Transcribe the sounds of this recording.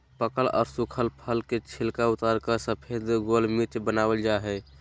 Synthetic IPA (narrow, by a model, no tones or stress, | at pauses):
pəkəlɔ̰ːɾsukʰəlpʰəlket͡ʃʰilkaut̪aɾkəsəpʰed̪ɡolmit͡ʃbənabəld͡ʒaɦɛ